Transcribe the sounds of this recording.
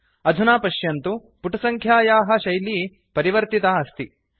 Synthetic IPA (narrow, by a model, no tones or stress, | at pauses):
ɐd̪ʱunaːpɐʃjɐnt̪u | puʈɐsɐŋkʰjaːjaːɦɐ̆ʃɐjli | pɐɾiʋɐɾt̪it̪aɐst̪i